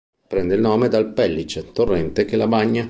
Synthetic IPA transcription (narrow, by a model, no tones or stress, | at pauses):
pɾɛnd̪eilnoːmed̪alpɛlːit͡ʃet̪orːɛnt̪ekelabaɲːa